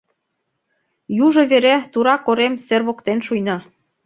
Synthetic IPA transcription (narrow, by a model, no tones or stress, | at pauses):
juʒŏβeɾæt̪uɾɑkoɾemserβokt̪enʃujnɑ